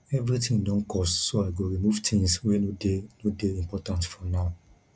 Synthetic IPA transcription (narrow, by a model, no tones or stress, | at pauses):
ɛvɹitĩŋdɔ̃nkʰɔstsoaɪɡoɹimuvtʰĩŋswenodenodeĩmpɔtãntsfɔnaʊ